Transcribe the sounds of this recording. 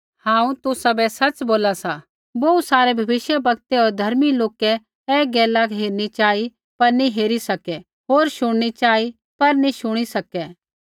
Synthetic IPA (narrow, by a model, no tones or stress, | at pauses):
hãːũt̪ʊsɐbɛsɐt͡ʃboːlasa | boːusaːɾebʱɐbɪʃjəbɐɡt̪ɛɔːɾd̪ʱɐɾmiloːkɛ | ɛɡɛːlakɦeːɾnit͡ʃaːi | pɐɾniɦeːɾisɐkɛ | ɦoːɾʃʊɽ̃ñit͡ʃaːi | pɐɾnĩʃʊɽ̃isɐkɛ